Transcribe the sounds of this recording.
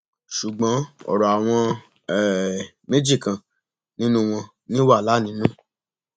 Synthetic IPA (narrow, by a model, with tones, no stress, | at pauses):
ʃu˨ɡ͡bɔ̃˨˦ɔ̰˨ɾa˨a˨w̃ɔ̃˧ | ɛ˦˨ | me˦d͡ʒi˦˨kã˨ | nĩ˦nũ˦w̃ɔ̃˧ | nĩ˦wa˦˨la˨˦nĩ˨˦nũ˦